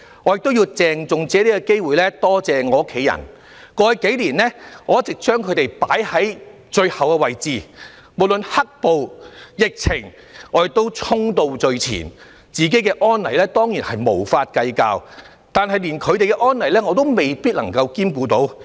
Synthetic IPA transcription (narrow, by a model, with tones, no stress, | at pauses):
ŋɔː˨˧jɪ˨k̚t̪wjiː˧wt͡sɛː˨ŋt͡sʊ˨ŋt͡sɛː˨˥liː˥kɔ˧ke˥jwuː˨jlɛː˥t̪ɔː˥t͡sɛː˨ŋɔː˨˧ʊ˥kʰːe˨˥jɐ̰˨˩n | kɔː˧jke˨˥jliː˨˩nlɛ˥ŋɔː˨˧˥t͡sɪ˨k̚t͡ʃœː˥ŋkʰɵ˨˧ɥt̪e˨jpaː˨˥jhɐ˨˥j | t͡ʃɵ˧ɥhɐ˨wkɛ˧wɐ˨jt͡siː˨ | mo˨˩wlɵ˨nhɐ˥k̚po˨˧wjɪ˨k̚t͡sʰɪ˨˩ŋ | ŋɔː˨˧˥jɪ˨k̚t̪o˥wt͡sʰʊ˥ŋt̪o˧wt͡sɵ˨˧ɥt͡sʰḭː˨˩n | t͡siː˨k̬e˨˥jkɛː˧ʔɔː˥nlɐ˨˩jlɛː˥t̪ɔː˥ŋjiː˨˩nhɐ˨jmo˨˩wfaː˧t̚kɐ˧jka̰ː˧w | t̪aː˨˧nɦɐ˨jliː˨˩nkʰɵ˨˧ɥt̪e˨jkɛ˧ʔɔː˥nlɐ˨˩jlɛː˥ŋɔː˨˧t̪o˥wme˨jpiː˥t̚lɐ̰˨˩ŋkɐ˧wkiː˥mkuː˧t̪o̰˨˥w